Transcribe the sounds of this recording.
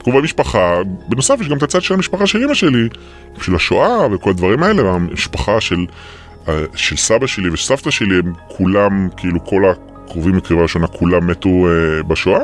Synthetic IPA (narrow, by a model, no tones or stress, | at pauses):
tɡovamiʃpaχabeno̞safjeʃɡamet̪at͡sad̪ʃelamiʃpaχaʃelimaʃeli | ʃelhaʃoʔaveko̞lad̪vaʁimae̞leamiʃpaχaʃe̞l | aʃelsabaʃe̞livesaft̪aʃeliemkʰulamkiiːlukʰo̞la | kʁovimekioaiʃonakʰulamːetuebaʃoʔa